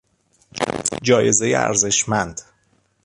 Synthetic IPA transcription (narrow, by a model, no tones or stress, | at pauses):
d͡ʒɒːje̞ze̞jḛæ̰ɾze̞ʃmænd̪̥